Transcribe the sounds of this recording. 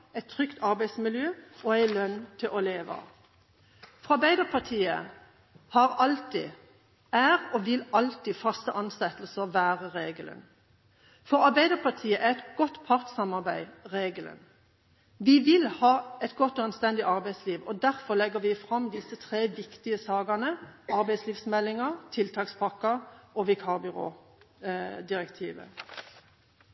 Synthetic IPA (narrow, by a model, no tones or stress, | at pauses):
ɛɪt̪ʰʁʏkt̪ʰɑʁbæɪsmɪljøːɔæɪlœnːt̪ʰɪlʔɔleːʋə̰ | fʁɑɑbæɪd̪əʁpʰɑt̪ʰiːə̰ | hɑʁɑlt̪ɪ̰ | æːʁɔːʋɪlɑlt̪ɪfɑst̪əʔɑnsɛt̪lsəʋæːʁəʁeːɡələ̰n | fɔʁɑʁbæɪd̪əʁpʰɑʁt̪ʰiːəʔæʁɛt̪ɡ̥ɔt̪pʰɑʁt̪sɑmɑʁbæɪʁeːɡələ̰n | ʋɪʋɪlhɑːɛt̪ɡɔt̪ːɔɑnst̪ɛnd̪ɪʔɑʁbæɪsliːʋɔd̪æʁfɔʁlɛɡːəʋɪfʁɑmd̪ɪsət̪ʰʁeːʋɪkt̪ɪəsɑːɡɑnəɑɾbæɪsliːʋsmɛlːɪŋəʁt̪ʰɪlt̪ʰɑːkspʰɑkːɑɔʋɪkʰɑʁbʏʁo̰ː | d̪ɪʁɛkt̪ʰiːʋə̰